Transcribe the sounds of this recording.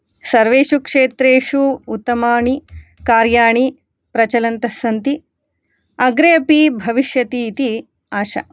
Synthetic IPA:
sɐɾʋeːʃukʂeːt̪ɾeːʂuut̪ːɐmaːɳikaːɾjaːɳi | pɾɐt͡ʃɐlɐnt̪ɐsɐnt̪i | ɐɡɾejɐpibʱɐʋiʃjɐt̪iːt̪i | aːʃɐ̰

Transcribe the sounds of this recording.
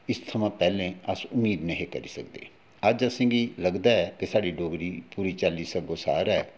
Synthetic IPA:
ɪst̪ʰəmãːpɛːlẽːəsʊmiːd̪nəɦĩːkəɾḭːsək̚d̪ḛː | əd͡ʒəsɪ̃ːŋɡiːləɡd̪aːɛːkesaːɖiːɖoːɡɾiːpuːɾiːt͡ʃəlːiːsəɡoːsa̰ːɾɛː

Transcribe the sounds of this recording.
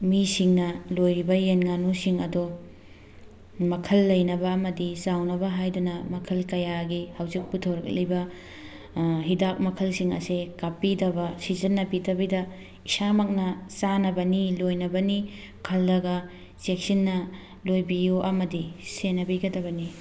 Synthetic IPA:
misiŋnɐlojɾibɐjenŋanusiŋɐdo | mɐkʰɐlːɐjnɐbɐːmɐdisawnɐbɐɦajdunɐmɐkʰɐlkɐjaɡihɐwzik̚putʰɐwɾɐk̚lɐjbɐ | ɦidak̚mɐkʰɐlsiŋɐ̰sekapidɐbɐsizɐnːɐpitɐbidɐ | isamɐk̚nɐsanɐbɐnilojnɐbɐni | kʰɐldɐɡɐ | sek̚sinːɐ | lojbijuʔɐmɐdisenɐbiɡɐdɐbɐni

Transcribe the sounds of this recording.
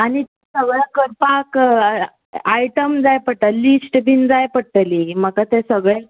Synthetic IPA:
aɽ̃it̪esəɡɭakəɾpak | ajʈəmd͡zajpəʈəlisʈbʱind͡zajpəɽʈəlim̤əkat̪esəɡɭe

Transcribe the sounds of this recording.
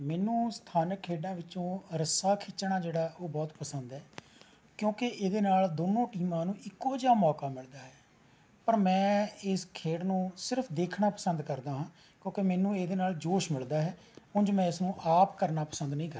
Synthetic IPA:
mɛːnũːst̪ʰaːnəkʰːeːɖãːʋɪt͡ʃõːɾəsaːkʰɪt͡ʃːɳaːd͡ʒeːɽaːoːbɔːt̪pəsənd̪ɦɛː | kjõːkeʔeːd̪eːnaːld̪oːnõːʈiːmãːnũːʔɪkːoːd͡ʒaːmɔːkaːmɪld̪aːɦɛː | pəɾmɛ̃ːɪskʰeːɽnũːsɪɾəpʰd̪eːkʰɳaːpəsənd̪kəɾd̪aːɦãː | kjõːkemɛːnũːeːd̪eːnaːld͡ʒoːʃmɪld̪aːɦɛː | ʊ̃nd͡ʒomɛ̃ːɪsnũːʔaːpkəɾnaːpəsənd̪nəĩːkəɾ

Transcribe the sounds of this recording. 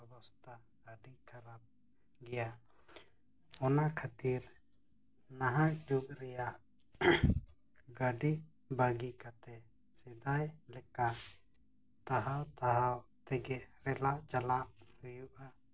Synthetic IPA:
ɛbɔst̪ʰa | ɡaɖikʰaɾap̚ | ɡɛja | ɔnakʰat̪iɾ | naɦak̚d͡ʒuk̚ɾɛjaʔ | ɡaɖi | baɡikat̪ɛ | sɛd̪ajlɛka | t̪aɦawt̪aɦawt̪ɛɡɛɾɛlaʔd͡ʒalaʔhujuʔa

